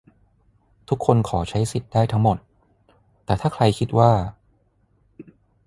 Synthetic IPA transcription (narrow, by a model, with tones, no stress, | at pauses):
t̪ʰu˦˥kʰːo˧nkʰɔː˩˦t͡ɕʰa˦˥jsi˨˩t̪̚daː˥˩jt̪ʰa˦˥ŋmo˨˩t̪ː | ɛː˨˩t̪ʰaː˥˩kʰɾa˧jkʰi˦˥t̪̚waː˥˩